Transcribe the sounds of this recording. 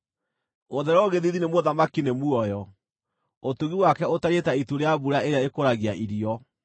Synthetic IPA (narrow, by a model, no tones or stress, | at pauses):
oðɛɾɔoɣeðiðinemoðamakinemuɔjɔ | otuɣiwakɛotaɾetaituɾeaβuɾaeɾeaekoɾaɣiaʔiɾiɔ